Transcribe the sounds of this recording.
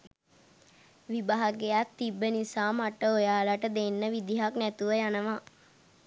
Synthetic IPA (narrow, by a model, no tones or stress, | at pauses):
ʋibaɦaɡejat̪t̪ːibːənisaːmaʈəojaːlaʈəd̪enːəʋid̪iɦaknɛt̪uʋəjanəʋa